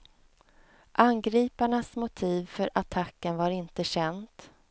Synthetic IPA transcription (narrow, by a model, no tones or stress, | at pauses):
ʔanɡɾiːpaɳasmʊt̪ʰiːvfœɾʔat̪ʰakːənvaɾɪnt̪əɕɛnd̪